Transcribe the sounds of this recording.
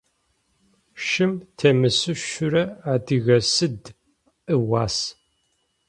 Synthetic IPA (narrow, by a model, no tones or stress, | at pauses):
ʃɪmtʰɐmɨsɨʃʊɾɐaːdɨɣɐsɨd | ɨwaːs